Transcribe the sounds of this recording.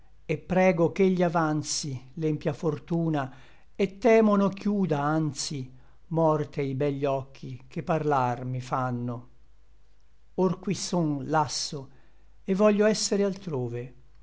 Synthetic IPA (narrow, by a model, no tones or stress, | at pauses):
epːɾɛːɡokeʎːiavant̪silɛmpjafort̪uːna | et̪ːɛːmonok̟juːd̪aant̪si | mɔrt̪eibɛʎːɔkʰːik̟epːarlarmifanːo | orkwisːonlasːo | evːɔʎːoɛsːeɾealt̪ɾoːve